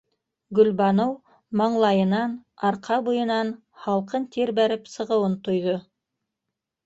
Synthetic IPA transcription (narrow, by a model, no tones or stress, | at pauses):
ɡɵ̆lbɑnow | mɑɴlˠɑjɤ̆nɑnɑɾqʰɑbujɤ̆nɑn | hɑlˠqɤnt̪iɾbæɾɘpsɤ̆ʁɤ̆wɤnt̪ŏjðo